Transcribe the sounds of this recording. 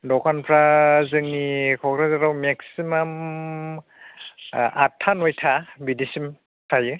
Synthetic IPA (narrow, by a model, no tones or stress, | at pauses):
dɔkʰanpʰɾazɯŋnikʰɔkɾazaɾawmeksimam | atʰːanɔjtʰabidisim | tʰajɯ